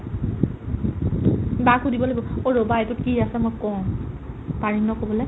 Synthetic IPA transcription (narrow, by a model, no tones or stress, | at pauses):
bakudibɔlabɔoɹobajtʊt̚kiasɛmɔjkɔw̃ | taɹiŋnɔkobɔlɛ